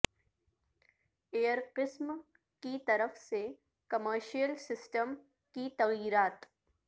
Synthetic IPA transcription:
eːəɾqɪsm | kit̪ɐɾəfse | kɐməɾʃijəlsɪsʈəm | kit̪ɐɣjiːɾaːt̪

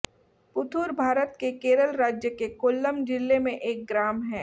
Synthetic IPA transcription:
pʊt̪ʰuːɾbʱaːɾət̪kekeːɾəlɾaːd͡ʒjəkekʊlːəmd͡ʒɪlːemẽʔeːk̚ɡɾaːmɦɛː

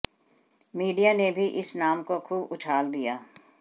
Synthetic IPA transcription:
miːɖijanebʱiʔɪsnaːmkokʰuːbʊt͡ʃʰaːld̪ijaː

